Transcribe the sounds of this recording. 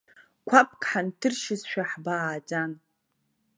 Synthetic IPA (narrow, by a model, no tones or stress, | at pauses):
kʷʰap̚ʰʼkʰʼħantʰɨrʃɪsʃᶣaħbaːd͡ʒan